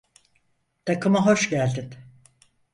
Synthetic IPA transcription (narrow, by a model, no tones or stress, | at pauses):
t̪ʰakɯmaɦoʃɟælʲd̪in